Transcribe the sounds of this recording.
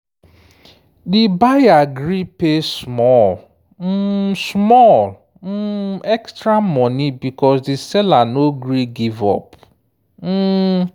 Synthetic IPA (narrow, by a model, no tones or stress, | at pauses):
dɪbajaɡɾipesmɔl | m̩smɔl | m̩ɛkstɾam̩mɔnibikɔsdɪsɛlanoɡɾiɡivɔ̰p | m̩